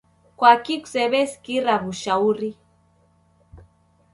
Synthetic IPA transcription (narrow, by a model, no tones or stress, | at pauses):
kʷakikʷseβeskiraβuʃauri